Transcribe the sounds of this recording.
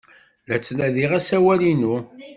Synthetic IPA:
læt͡sːnæðiʁæsæwælinu

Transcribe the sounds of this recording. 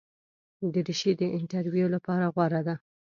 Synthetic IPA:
d̪əɾiʃid̪əʔɪɳʈaɾwijolapɑɾaɣwaɾad̪a

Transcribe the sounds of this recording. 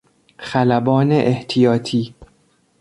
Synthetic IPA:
xælæbɒːneʔeht̪ʰijɒːt̪ʰiː

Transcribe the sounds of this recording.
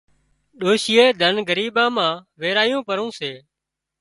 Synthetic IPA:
ɗoːʃɪjeːd̪ʱənɡəɾiːɓãːmãːʋeːɾaːjũːpəɾũːseː

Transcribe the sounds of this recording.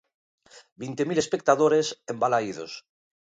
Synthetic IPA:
bint̪emilespek̚t̪aðoɾesembalaið̞o̰s

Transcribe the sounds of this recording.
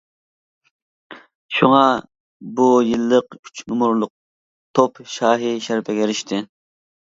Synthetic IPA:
ʃuŋɑ | bujilˠːəqkʰyt͡ʃʰnumuɾlˠʊq̚ | t̪ʰopʃɑːɦiʃæɾpʰɛɡʲɛɾiʃt̪ʰɪ

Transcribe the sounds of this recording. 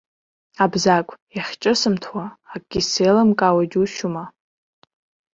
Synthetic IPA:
abzakʷʰʼjaχʲt͡ʃʼɨsɨmtʰwaːkʼɡʲisejlamkʼawad͡ʒʲuʃuma

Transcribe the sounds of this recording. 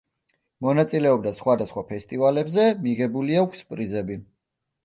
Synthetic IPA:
mɔnat̪sʼilɛɔb̚d̪asχwad̪asχwapʰɛst̪ʼivalɛbzɛmiʁɛbuliakʷʰspʼɾizɛbi

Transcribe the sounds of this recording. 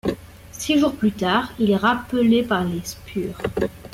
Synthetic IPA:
siʒuʁplyt̪aːʁilɛʁapəlepaʁlespʰyːʁ

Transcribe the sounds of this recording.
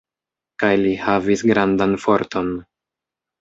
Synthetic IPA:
kajlihavisɡɾandanfo̞ɾto̞n

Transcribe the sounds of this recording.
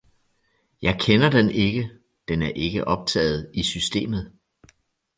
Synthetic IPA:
jɑ̈ɪkʰenɐd̥ene̝ɡ̥ə | d̥enæɐʔe̝ɡ̥əʔɒ̽b̥̚t͡sʰɛ̰ːð̞̩ˠisysd̥e̝̰ːmð̞̩ˠ

